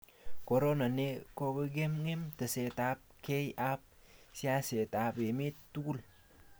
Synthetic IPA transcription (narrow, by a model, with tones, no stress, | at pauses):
ko˨ɾo˦na˨ne˦ko˦be˦ɡe˦mŋe˦mtə˨se˨ta˦p̚ke˦ja˦p̚si˦a˦se˨ta˨be˨me˦tːu˦ɡu˦l